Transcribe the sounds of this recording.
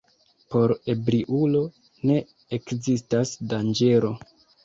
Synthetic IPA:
po̞ɾe̞bɾiʔulo̞ | ne̞ | ekzistasdand͡ʒe̞ɾo̞

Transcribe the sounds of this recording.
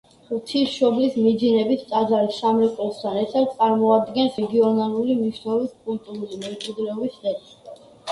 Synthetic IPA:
ut̪ʰisʃɔblismid̪zinɛbist̪sʼazaɾissamɾɛkʼɔst̪ʰanɛɾt̪ʰad̪̚t̪sʼaɾmɔad̪ɡɛnsɛɡiɔnalˠulimniʃnɛlˠɔbiskʼult̪ʼuɾulimɛmt͡ʃʼwid̪lɛɔbisɛɾ

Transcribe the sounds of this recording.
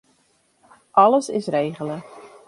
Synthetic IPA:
ʔɑləsɪsreːɣələ

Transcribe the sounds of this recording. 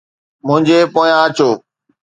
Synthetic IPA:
mʊ̃ɦɪ̃ɲd͡ʑepoːjãət͡ɕoː

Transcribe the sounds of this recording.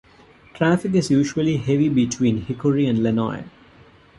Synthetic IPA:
ʈʰɾæfɪk̬ɪzjuːʃuəliheʋibiʈʰwĩːnhɪkoɾiæ̃nɖlɛnɔ̰ɪ

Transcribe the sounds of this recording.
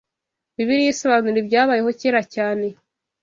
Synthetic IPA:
βiβiɾijiso̞βaːnuɾebɟaːβaːjeɦo̞ciɾacaːne̞

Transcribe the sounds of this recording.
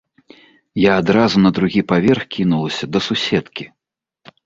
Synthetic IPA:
jaːd̪ɾazunɐd̪ɾuɣʲipavʲɛrxkʲinulˠɐsʲɐd̪ɐsusʲɛt̪kʲi

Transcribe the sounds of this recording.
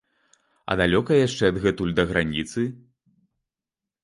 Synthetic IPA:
ɐ̰d̪alʲɔkɐjjaʂt͡ʂɛɐd̪ɣɛt̪ulʲd̪ɐɣɾanʲit̪sɨ

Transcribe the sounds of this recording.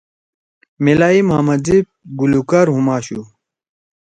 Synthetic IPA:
milaːimɦmɐd͡zip̚ɡulukaɾɦumaːɕu

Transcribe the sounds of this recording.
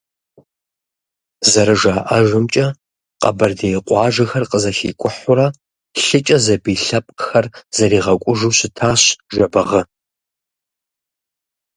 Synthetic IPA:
zɐɾɨʒaːʔaʒʷɨmt͡ʃʼɐ | qɐ̰bɐrdejqʷʼɑːʒɐxɐrqəzɐxḭːkʷʼʊħʊɾɐ | ɬɨt͡ʃʼɐzɐbiːɬɐpʼqxɐrzɐɾiːʁɐkʷʼʊʒuɕɪtʰaːɕʒɐbɐʁɐ

